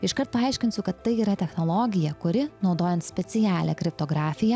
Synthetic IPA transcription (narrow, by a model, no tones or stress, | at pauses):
ɪʃkɐɾt̪̚pɐɐɪʃʲkʲɪnsʲʊkɐt̪ːɐɪiːɾɐt̪ʲɛxnoːlˠoːɡʲɪjɛkʊɾʲɪnɒʊd̪oːjɛnt̪sʲpʲɛtsʲɪjæːlʲɛkɾʲɪp̚t̪oːɡɾɑːfʲɪjɛ